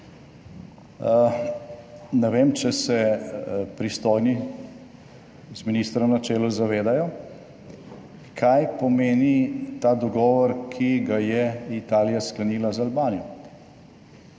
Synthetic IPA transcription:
nɛʋeːmt͡ʃɛsɛ | pɾist̪ɔːjni | zminiːst̪ɾɔmnat͡ʃɛːlɔzaʋeːd̪ajɔ | kʰajpɔmeːnit̪aːd̪ɔɡɔːʋɔɾkʰiɡajɛit̪aːlijasklaniːlazalbaːnijɔ

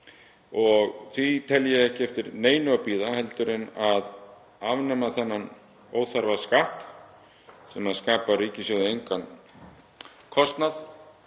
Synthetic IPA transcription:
ɔɣθvit̪ʰɛljɛɛhcɪɛft̪ɪɾneːjnʏapiːðahɛlt̪ʏɾɪnað | avnɛmaθɛnːan | oːwθaɾvaskaːhp | sɛmaðskaːpaɾiːcɪsjoːwðʏejŋkan | kʰɔst̪nað

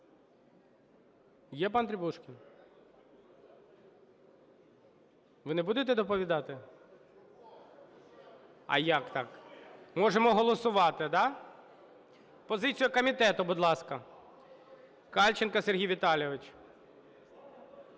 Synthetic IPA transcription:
jɛp̬ɑnt̪ɾʲɪbuʃkʲɪn | ʋɪnɛbud̪et̪ɛd̪ɔpɔʋʲid̪ɑt̪ɪ | ɐ̰jakt̪ɑkmɔʒemɔɦɔlˠɔsʊʋɑt̪ɪd̪ɑ | pɔzɪt͡sʲijɐkɔmʲit̪ɛt̪ʊbʊd̪lˠɑskɐ | kɑlʲt͡ʃɪnkɐserɦʲijʋʲiɪt̪ɑlʲjɔʋɪt͡ʃ

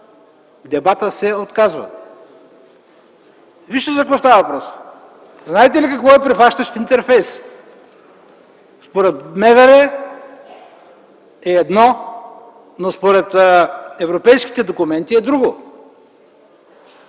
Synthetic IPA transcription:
d̪ɛbat̪əsɛot̪kazvə̰ | viʃt̪əzɐkvɔst̪avəvɐpɾɔs | znaɛt̪ɛlikɐkvɔɛpɾɛflˠaʃt̪əʃt̪int̪ɛɾfɛjs | spoɾɛt̪mɛðɐɾɛ | ɛːd̪nɔ | nospoɾɛt̪ɛvɾopɛjsk̟i̥t̪ɛd̪okʊmɛnt̪iɛd̪ɾuɡo

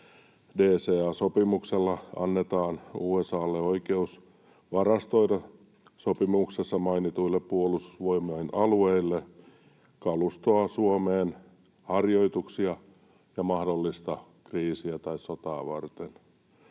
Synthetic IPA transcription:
deːseːɑːsopimukselːɑɑ̰nːet̪ɑːnuːesɑːlːeoikeus | ʋɑrɑst̪oiɾɑ | sopimuksesːɑmɑinit̪uilːeppuolust̪u̥sʋoimoinʔɑlueilːe | kɑlust̪oɑsuomeːn | hɑrjoit̪uksiɑ | jɑmɑhdolːist̪ɑ | kriːsiæt̪ɑissot̪ɑːʋɑ̰rt̪en

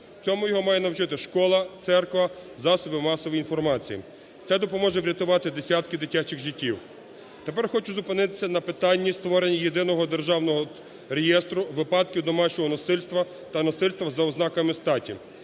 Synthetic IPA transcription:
t͡sʲɔmʊjɔɦɔmɑjɛnɐwt͡ʃɪt̪ɪʃkɔlˠɐt̪sɛrkʋɐzɑsɔbɪmɑsɔʋjinfɔrmɑt͡sʲijḭ | t̪ɛd̪ɔpɔmɔʒɛʋɾʲɐt̪ʊʋɑt̪ɪd̪esʲat̪kɪd̪ɪtʲat͡ʃɪxɣʒitʲːiw | t̪e̞pɛrxɔt͡ʃʊzʊpɪnɪt̪ɪ̥sʲːɐnɐpɪt̪ɑnʲːist̪ʋɔɾenʲːijed̪ɪnɔɦɔd̪erʒɑwnɔɦɔ | ɾejɛst̪ɾʊʋɪpɑd̪kʲiwd̪ɔmɑt͡ʃɔɦɔnɔsɪlʲst̪ʋɐ | t̪ɐnɔsɪlʲst̪ʋɐzɐɔznɑkɐmɪst̪ɑtʲḭ

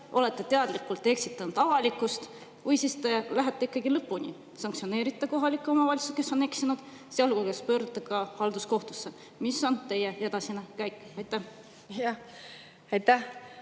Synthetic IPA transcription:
ʔo̞le̞t̪ˑːe̞t̪eɑd̪̥likːˑult̪ˑːe̞ksit̪ːˑɑnud̪̥ɑvɑlikːˑust̪ | vujsist̪e̞læɦæt̪ːˑe̞ikːˑɑɡilɤpːunʲḭ | sɑŋksio̞ne̞ːɾit̪ːˑɑko̞ɦɑlikːˑo̞mɑvɑlʲsu̥ske̞sːo̞ne̞ksinud̪̥ | seɑlkukespø̞ːɾd̪ut̪ːˑɑkɑhɑld̪̥usko̞ht̪usːe̞ | misːo̞nt̪e̞je̞ed̪ɑsinekæjkːˑɑjt̪ːˑæh | jɑ | ɑjt̪ːæ

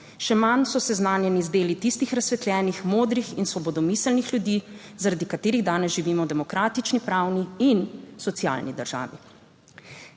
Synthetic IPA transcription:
ʃɛmansɔsɛznaːnjɛnizd̪eːlit̪ist̪ixɾasʋɛt̪lʲjɛːnixmoːd̪ɾixinsʋɔbɔd̪ɔmiːsəlnixljud̪iː | zaɾad̪ikat̪eːɾiɣd̪aːnɛsʒiʋiːmɔd̪ɛmɔkɾaːt̪it͡ʃnipɾawniinsɔt̪sia̰ːlnḭd̪əɾʒ̥a̰ːʋi

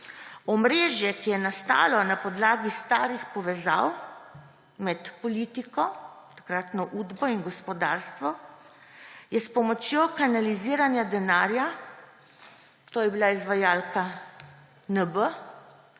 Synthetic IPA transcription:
ɔmɾeːʒjɛkijɛnast̪a̰ːlɔnapɔd̪laːɡist̪aːɾixpɔʋɛzaw | mɛt̪pɔliːt̪ikɔt̪ḁkɾaːt̪nɔʔuːd̪bɔinɡɔspɔd̪aːɾst̪ʋɔ | jɛspɔmɔt͡ʃjoːkanaliziːɾanjad̪ɛnaːɾja | t̪oːjɛbilaizʋajaːlka | nəbə

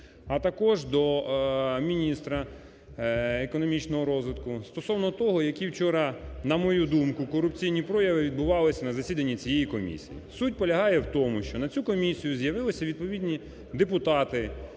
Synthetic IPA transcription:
ɐt̪ɐkɔʒd̪ɔ | mʲinʲist̪ɾɐ | ekɔnɔmʲit͡ʃnɔɦɔɾɔzʋɪt̪kʊst̪ɔsɔwnɔt̪ɔɦɔjɐkʲiwt͡ʃɔɾɑnɐmɔjud̪umkʊkɔɾʊpt͡sʲijnʲipɾɔjɐʋɪʋʲid̪bʊʋɑlˠɪsʲɐnɐzɐsʲid̪ɐnʲːit͡sʲijejikɔmʲḭsʲijḭsut̚ʲpɔlʲɐɦɑjɛwt̪ɔmʊʃt͡ʃɔnɐt͡sʲukɔmʲisʲijʊzjɐʋɪlˠɪsʲɐʋʲid̪̚pɔʋʲidʲnʲi | d̪epʊt̪ɑt̪ɪ

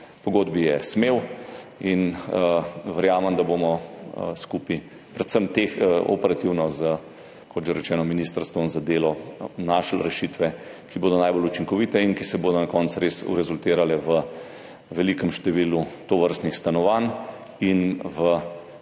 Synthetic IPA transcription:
pɔɡoːd̪bijɛsmewinəʋɛɾjaːməmd̪aboːmɔskuːpi | pɾɛt̪səmt̪exəɔ̰pɛɾat̪iwnɔzə | kɔt̪ʒeɾɛt͡ʃɛːnɔminiːst̪əɾst̪ʋɔmzad̪eːlɔnaʃlɾɛʃiːt̪ʋɛkiboːd̪ɔnajbolut͡ʃiŋkɔʋit̪ɛinkisɛboːd̪ɔnakɔnt̪sɾesṵɾɛzult̪eːɾalɛʋə | ʋɛlikəmʃt̪ɛʋilut̪oʋəɾst̪nixst̪anɔʋan | inʋə

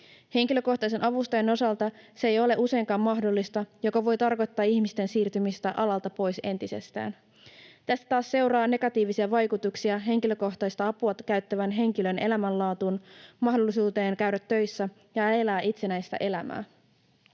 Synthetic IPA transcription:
he̞ŋkilø̞ko̞ht̪ɑjs̬e̞nʔɑʋust̪ɑjeno̞sɑlt̪ɑseejo̞leʔuse̞iŋkɑːmmɑɦdolːist̪ɑjo̞kɑʋo̞jt̪ɑrko̞jt̪ːɑːiçmist̪e̞nsiːrt̪ymist̪æʔɑlɑlt̪ɑpo̞jse̞nt̪ise̞̰st̪æ̰ːn | t̪æst̪æ̥t̪ɑːsse̞wɾɑːne̞ɡ̥ɑt̪iːʋisiɑʋɑjkut̪uksiɑɦe̞ŋkilø̞ko̞xt̪ɑjst̪ɑɑpuɑt̪kæɥt̪ːæʋænɦe̞ŋk̟ilø̞ne̞læmællɑːt̪unmɑɦdo̞lːisuːt̪e̞ːŋkæɥɾæt̪ːø̞jsːæ | jɑelæːʔit̪se̞næjst̪æ̰ʔe̞læmæ̰ː

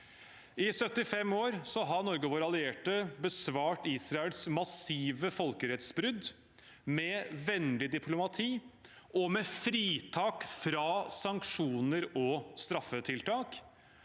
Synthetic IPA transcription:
ɪsœt̪ːɪfɛmoːɾsɔɦɑnɔɾɡəʋoːɾɑlɪeːʈəbəsʋɑːʈiːsɾɑɛlsmɑsiːʋəfɔlkəɾɛt̪sbɾʉd̪ | mɛʋɛnd̪ɪd̪ɪpʰlʊmɑt̪ʰiː | ʔɔmɛfɾiːt̪ʰɑːkfɾɑsɑŋkʂuːnəɾɔst̪ɾɑfːət̪ʰɪlt̪ʰɑːk

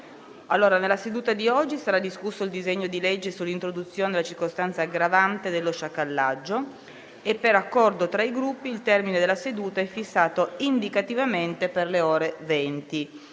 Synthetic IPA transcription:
alːoːɾanelased̪uːt̪ad̪iɔd͡ʒːisaɾad̪iskusːoild̪izeɲːod̪iled͡ʒːesulːint̪ɾod̪ut̪sːjoːned̪elat͡ʃirkost̪ant̪saːɡɾavant̪ed̪elːoʃakːalːad͡ʒːo | epːeɾakːɔrd̪ot̪ɾaiɡɾupːiːlt̪ɛrmined̪elːased̪uːt̪aɛfːisːaːt̪oind̪ikat̪ivament̪eperleoːɾevɛnt̪i

